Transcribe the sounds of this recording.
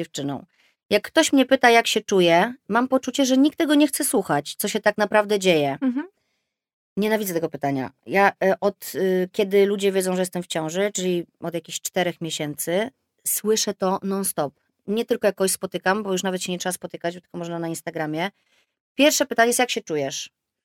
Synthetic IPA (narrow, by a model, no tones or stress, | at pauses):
ɛft͡ʂɘnɔ̰̃w̃ | jakːt̪ɔɕmɲɛpɘt̪ajakɕɛt͡ʂujɛmampɔt͡ʂut͡ɕɛʐɛɲikt̪ːɛɡɔɲɛxt̪sɛswuxat͡ɕt̪sɔɕɛt̪aknapɾavd̪ɛd͡ʑejɛ | ɲɛnavʲidzɛt̪ɛɡɔpɘt̪aɲa̰jaʔɔt̪kʲɛd̪ɘlud͡ʑɛvʲjɛd̪zɔ̃w̃ʐɛjɛst̪ɛmft͡ɕɔ̃w̃ʐɘt͡ʂɘlʲiɔd̪jakʲiɕt͡ʂt̪ɛɾɛxmʲjeɕɛnt̪sɘ | swɘʂɛt̪ɔnɔnst̪ɔp̚ | ɲɛt̪ɘlkɔjakːɔɕspɔt̪ɘkambɔjuʂ̬navɛt̪ɕɛɲɛtʂɛaspɔt̪ɘkad͡ʑbɔt̪ɘ̥lkɔmɔʐnanainst̪aɡɾamʲjɛ | pʲjɛɾfʂɛpɘt̪aɲɛjɛsjakɕɛt͡ʂujɛʂ